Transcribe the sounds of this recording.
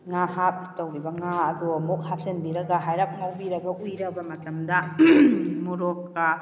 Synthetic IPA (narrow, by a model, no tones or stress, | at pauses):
ŋaɦap̚tɐwɾibɐŋaɐdumok̚hap̚senbiɾɐɡɐɦajɾap̚mawbiɾɐɡɐʔujɾɐbɐmɐtɐmdɐ | muɾokːɐ